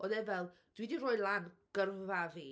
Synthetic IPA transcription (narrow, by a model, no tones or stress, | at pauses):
ɔnɛvɛlˠ | d̥widiroːjlˠanɡ̥ərvaviː